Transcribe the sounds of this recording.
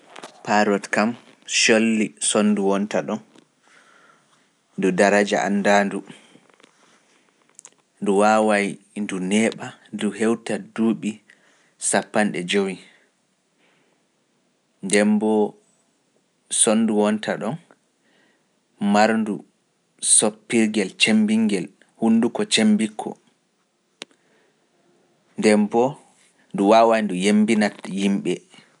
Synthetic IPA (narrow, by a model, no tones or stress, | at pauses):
paɾɔtkam | ʃolːisonːduwɔntaɗɔn | dudaɾad͡ʒa̰ʔa̰nːdaːndu | nduwawaj | ndunɛːɓaduɦɛwtaduːɓi | sapːanɗɛd͡ʒowi | ndɛmbɔ | sonːduwɔntʰaɗɔn | maɾndu | sopːiɾɡɛlt͡ʃembiŋɡɛl | hunːdukɔt͡ʃembikʰːɔ̰ | ndɛmbɔ | nduwawajndujembinatjimɓɛ